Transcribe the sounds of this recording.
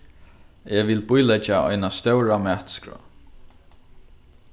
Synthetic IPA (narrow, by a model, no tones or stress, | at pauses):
ɛːʋɪlbujlɛt͡ʃaʔɔ̰jnast̪œwɾamæːht̪skɾɔ̰